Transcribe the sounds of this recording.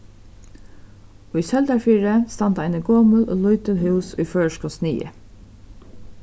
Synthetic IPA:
ʊjsɛlt̪aɹfiːɹəst̪ant̪aɪnəɡoːməlʊ̰lʊjt̪ɪlɦʉwsʊjfœːɹʃkɔsnḭːə̰

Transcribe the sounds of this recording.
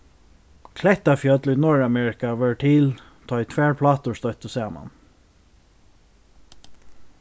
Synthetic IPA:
kʰlɛt̪afjœːd̪lʏːnɔɹamɛːɹɪkaʋœɹʈʰɪl | t̪ʰɑːt̪ʰʋæːɹpʰlɑːt̪ʊst̪œt̪əsɛːmɑ̰n

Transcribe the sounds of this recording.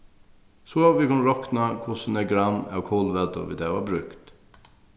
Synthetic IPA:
sɔʋɪkʰʊnɾɔknakʰʊsnɛɡɾanæ̰wkʰoːlʋɛd̪ə̰ʋɪ̰d̪æʋabɾʉkt̪

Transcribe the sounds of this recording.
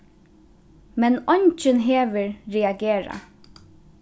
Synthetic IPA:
mɛnɔɲt͡ʃɪnɦeːʋəɹɹɛaɡeːɹa̰

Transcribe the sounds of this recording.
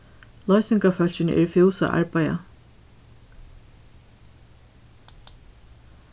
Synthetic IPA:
lˠɔɥsɪŋkafœl̥t͡ɕɪnʔɛ̰ɹfɛwsa̰ʔa̰ɹpaja̰

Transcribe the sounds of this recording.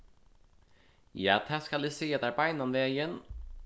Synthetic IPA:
ja̰t̪ʰaskalɪseːd̪aɾpajnːanvɛːjən

